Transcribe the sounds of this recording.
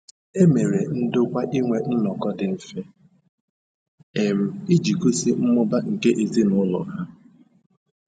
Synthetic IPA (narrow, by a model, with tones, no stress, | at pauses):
e˦me˨ɾe˨n̩˦dʊ˦kʷa˦ʔi˦ŋʷe˨n̩˦nɔ˨kɔ˦dɪ˨m̩˨fe˦ | e˨m̩˦i˦d͡ʒi˨ku˦si˦m̩˦mʊ˦ba˦ŋ̩˨ke˦ʔe˨zi˦nʊ˦lʊ̰˨ɦa˦